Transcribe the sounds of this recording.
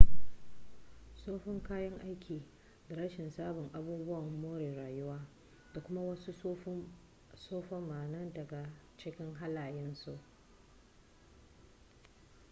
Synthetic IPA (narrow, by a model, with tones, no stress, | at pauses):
soː˦ɸɪ˦ŋkaː˦jɐ˦ŋʔa˦jkʲiː˨ | da˨ɾɐ˦ʃɪ˨nsaː˦bʊ˨ŋʔa˦buː˦bʊ˦wɐ˨mːoː˦ɾeː˨ɾaː˨jʊ˦waː˦ | d̥a˨kʷʊ˦ma˦wɐ˦su˦ | soː˦ɸɔ˦mːaː˨nɐ˦ndɐ˨ɡa˨ | t͡ʃɪ˦kʲɪ˦ŋɦa˦laː˨jɪ˦nsu˦˨ʔ